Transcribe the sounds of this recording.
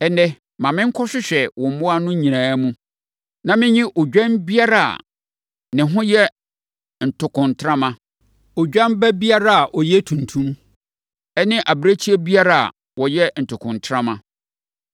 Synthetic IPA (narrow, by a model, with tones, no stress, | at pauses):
ɛ˨nɛ˦ | mã˨mɪ̃˦ŋ̩˦kʰɔ˦ɕɪ˦ɕᶣɛ˨wɔ˨m̩˦mʊ˦a˦nʊ̃˦ɲĩ˨nãː˨˦mũ˦ | nã˨mɪ̃˦ɲɪ̃˦ʔo˨d͡ʑᶣã˦nbi˦a˦ɾa˨a̰˨ | nɪ̃˨ɦʊ̃˦jɛ˦ | n̩˨tʰʊ˨kʰʊ̃˨ntʰɾã˦mã˦ | o˨d͡ʑᶣã˦nbɛ˦bi˦a˦ɾa˦a˨ʔɔ˨jɛ˦tʰũ˨n˨tʰũ˦m | ɛ˦nɪ̃˦ʔa˨bɾa˦t͡ɕʰi˦ɛ˦bi˦a˦ɾa˦˨a̰˨ | wɔ˨jɛ˦n̩˨tʰʊ˨kʰʊ̃˨ntʰɾã˦mã˨